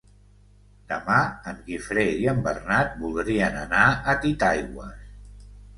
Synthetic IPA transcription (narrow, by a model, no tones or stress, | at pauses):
d̪̥əmaəmɣifɾeiəmbərnat̪̚bulˠd̪ɾiənənaət̪it̪ajɣwəs